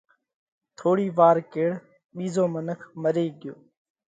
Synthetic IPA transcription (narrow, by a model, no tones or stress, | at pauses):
t̪ʰoːɽiːʋaːɾkeːɽ | ɓiːzoːmənəkʰməɾeːɠɪjoː